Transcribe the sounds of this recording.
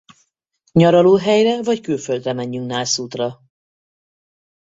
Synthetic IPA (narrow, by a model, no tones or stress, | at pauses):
ɲɒɾɒloːɦɛjrɛvɒckylføld̪rɛmɛɲːyŋk̚naːlsuːt̪rɒ